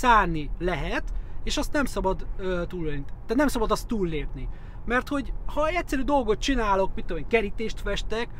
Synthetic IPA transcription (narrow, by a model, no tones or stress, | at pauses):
saːrnilɛɦɛt̪eːʃɒst̪nɛmsɒbɒd̪øt̪uːløːnit̪ɛt̪nɛmsɒbɒd̪ɒst̪ːuːlːeːpni | mɛrt̪ho̞ɟhɒɛc̪ʲsːɛɾyːd̪olɡo̞t̪̚t͡ʃinaːlo̞kmit̪ːomeːŋkɛɾit̪eːʃt̪fɛʃt̪ɛk